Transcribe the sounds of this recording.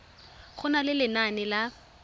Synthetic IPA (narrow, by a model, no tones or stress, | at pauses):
χʊnalɪlɪnanɪla